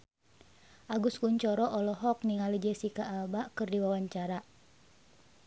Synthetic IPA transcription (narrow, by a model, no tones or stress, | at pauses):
ʔaɡuskuɲt͡ʃɔɾɔʔɔlɔɦɔk̚niŋalid͡ʒɛsikaʔːbaʔkɨrdiwawaɲt͡ʃaɾa